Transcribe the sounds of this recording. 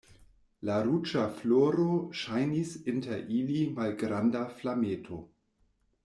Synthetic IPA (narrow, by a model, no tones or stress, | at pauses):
laɾut͡ʃafloɾoʃajnisinteɾʔilimalɡɾandaflametʰo